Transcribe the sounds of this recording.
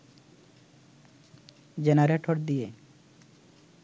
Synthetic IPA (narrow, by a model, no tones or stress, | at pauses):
d͡ʑenaɾeʈʰoɾd̪ije